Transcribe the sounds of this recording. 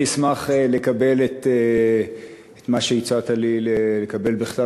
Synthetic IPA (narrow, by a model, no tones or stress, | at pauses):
ismaχelekabe̞let̪e | et̪maʃeit͡sat̪alilelekabe̞lbeχta